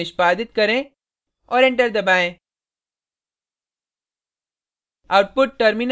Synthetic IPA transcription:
ɪʃpaːd̪ɪt̪̚kɐɾẽ | ɔːɾɪ̃ɳʈəɾd̪ɐbaːẽː | aʊʈ̚pʊʈ̚ʈəɾmin

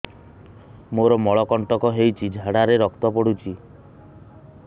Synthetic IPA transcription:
moɾɔmɔɭɔkɔɳʈɔkɔɦejt͡ʃʰid͡ʒʱaɽaɾeɾɔkt̪ɔpɔɽ̤ut͡ʃʰi

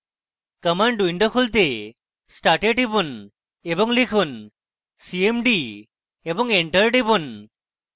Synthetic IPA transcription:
kəmaɳɖuiɳɖɔkʰult̪e | sʈaʈeʈibun | ebɔŋlikʰun | siemɖi | ebɔŋeɳʈəɾʈibun

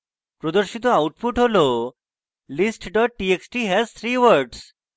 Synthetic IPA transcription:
pɾod̪oɾʃit̪̬oawʈpuʈɦolo | lisʈɖɔʈ̚ʈieksʈiɦɛzt̪ʰɾiʋəɾɖs

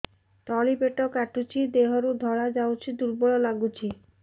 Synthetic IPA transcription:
t̪ɔlibeʈɔkaʈut͡ʃʰid̪eɦɔɾud̪ʱɔɭad͡ʒawt͡ʃʰid̪uɾbɔɭɔlaɡut͡ʃʰi

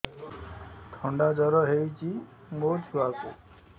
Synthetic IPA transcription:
ʈʰɔɳɖad͡ʒɔɾɔɦewt͡ʃʰi | mot̪ʰuwakṵ

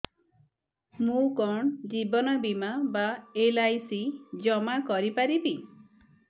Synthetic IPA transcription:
mũkɔɳd͡ʒibɔnɔbimabaelajsid͡ʒɔmakɔɾipaɾibi

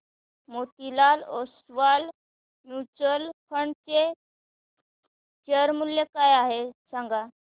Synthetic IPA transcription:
mot̪ilalosʋal | nut͡səlkʰəɳt͡se | t͡ɕəɾmuljekajaɦesãŋɡa

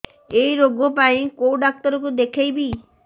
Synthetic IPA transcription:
ejɾoɡɔpaĩkowɖak̚t̪ɔɾɔk̬ud̪ekʰejbi

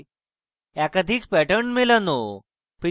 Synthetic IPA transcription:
ɛkəd̪ʱiːkpɛʈəɳmelano | pi

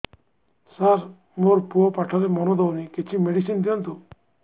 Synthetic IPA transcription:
saɾ | moɾpuopaʈʰalemɔnod̪ɔwniket͡ʃʰimeɖisind̪iɔnt̪u

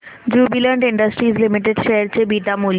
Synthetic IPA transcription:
d͡ʑubilɛɳɖiɳɖəsʈɾizlimiʈeɖʃeɦəɾt͡ɕʰebiʈamul

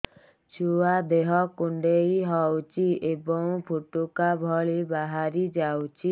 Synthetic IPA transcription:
t͡ʃʰuwad̪eɦɔkuɳɖejɦɔwt͡ʃʰiebɔŋpʰuʈukabʱɔɭibaɦaɾid͡ʒawt͡ʃʰi

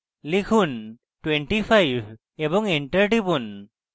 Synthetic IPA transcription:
likʰun | ʈweɳʈipʰajb | ebɔŋeɳʈəɾɖipun

